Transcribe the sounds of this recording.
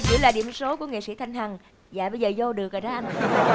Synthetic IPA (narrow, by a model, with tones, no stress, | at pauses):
t͡ɕɨ̰˧˩laː˨˩ɗḭ˧˩əmso˨˦ku˧˩əŋḛ˧˨sḭ˧˥t̪ʰa˧jŋ̟hʰa˨˩ŋ | zaː˧˨ɓə˧jzəː˨˩zo˧ɗɨ˨˩əkʔəː˨˩ɗaː˧˥ʔa˧n˧